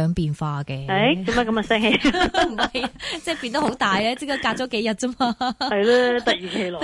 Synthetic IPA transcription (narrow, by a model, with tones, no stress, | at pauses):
œː˨˧ŋpiː˨nfaː˧kɛː˧ɐ˨˥jkɐ˧˥maː˨˩kɐ˧ma˨sɛː˥ŋhe˨˧jm̩˩ɐ˨jt͡sɛː˥˩pi˧nt̪ɐ˥ho˨˥wt̪aː˨jlɛː˥t͡si˥kɐ˥kaː˧t͡ɕɔ˨˥ke˨˥jɐ˨t̚t͡sɐ˥maː˧hɐ˨jlɛ˦t̪ɐ˨k̚jiː˨kʰe˧jlɔ˨